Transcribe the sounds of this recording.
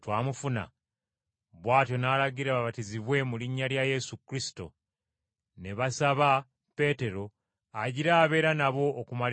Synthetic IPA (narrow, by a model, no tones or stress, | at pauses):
twaːmufuna̰ | βwaːtjo̞naːlaɡiɾaβaβatiziβwe̞muliɲːaljaje̞sukɾisi̥to̞̰ | ne̞βasaβa | pe̞te̞ɾo̞ | aɟiɾaːβe̞ːɾanaβo̞ːkumal